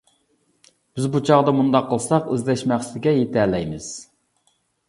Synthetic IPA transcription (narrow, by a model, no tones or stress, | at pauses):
b̥ɪzbut͡ʃʰɑʁd̪ɑmund̪ɑqʰːəlˠsɑqøzlɛʃmæχsɪd̪ɪɡʲɛjet̪ʰælɛjmɪz̥